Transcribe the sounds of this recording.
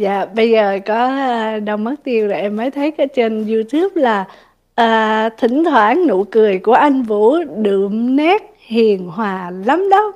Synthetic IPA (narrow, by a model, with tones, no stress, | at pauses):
za̰ː˧˨ɓə˧jzəː˨˩kɔ˨˦˧ɗə˧wmə˦˥t̚t̪i˧əwzo˨˩ʔɛ˧mːəː˨˦jt̪ʰə˨˦jkɔ˨˦t͡ɕe˧nzu˧t̪ʰu˦˥əp̚laː˨˩ | ʔəː˧˩t̪ʰï˧˩˦ŋ̟t̪ʰwaː˧˩˦nnṵ˧˨kɨ˨˩əjku˧˩əʔa˧jŋ̟vṵ˧˥ɗɨ̰˧˩əmnɛ˦˥t̚ | hi˨˩ənɦwaː˨˩la˨˦mɗə˨˦w